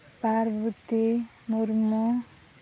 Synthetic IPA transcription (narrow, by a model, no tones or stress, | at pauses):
paɾbut̪i | moɾmo